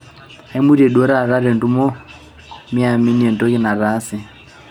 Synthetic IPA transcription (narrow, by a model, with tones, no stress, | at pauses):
a˨i˦mu˦ɾɛ˨ɗwɔ˦ɾa˦ɾa˦ɾɛ˨ntu˦mɔ˦ | mi˦a˨mi˦ni˦ɛ˨ntɔ˦ki˦na˨ɾa˦sɛ˨